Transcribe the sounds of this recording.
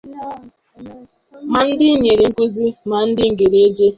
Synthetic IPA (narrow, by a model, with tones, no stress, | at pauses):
ma˦ɲɪ˦dɪ˦ɲe˨ɾi˨ŋ̩˦ku˦zi˦ma˨n̩˦dɪ˦ŋ̩˨ɡe˨ɾe˨˦e˦d͡ʒe˦